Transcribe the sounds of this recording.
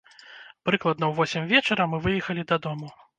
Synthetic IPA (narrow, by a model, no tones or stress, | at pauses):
pɾɨklˠɐd̪nɐwvɔsʲimʲvʲɛt͡ʂɐɾɐmɨvɨjɛxɐlʲid̪ɐd̪ɔmu